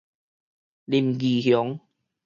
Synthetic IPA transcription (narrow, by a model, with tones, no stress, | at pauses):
li˨˩mɡi˨˩hjɔ˨˦ŋ